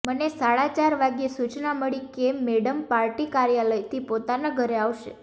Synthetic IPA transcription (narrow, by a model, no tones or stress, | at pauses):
mənesaɭat͡ʃaɾʋaɡjesut͡ʃnaməɭikemːeɽəmpaɾʈikaɾjaləjt̪ʰipot̪anaɡʱəɾeaʋʃḛ